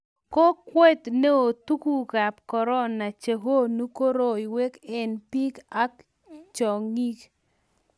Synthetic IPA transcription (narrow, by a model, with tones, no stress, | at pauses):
ko˦kwe˦t̪ne˦o˨t̪u˦ku˦˨ɡa˨p̚kɔ˨ɾɔ˦na˨t͡ʃe˨ɦo˦nu˦ko˦ɾo˨i˨we˦kɛ˨npi˦ka˦k | t͡ʃɔ˨ŋi˦k